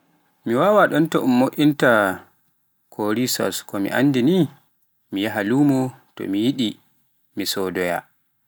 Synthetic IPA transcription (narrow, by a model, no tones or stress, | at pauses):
miwawaɗɔntɔʔumːoʔʲinta | kʰoɾisɔ̰skɔmḭʔa̰nːdini | mijaɦaluːmɔtɔ̰mijiɗi | misɔdɔja̰